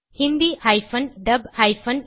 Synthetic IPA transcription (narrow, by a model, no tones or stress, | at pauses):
himbihajfʰɐnɖɐbhajpʰɐn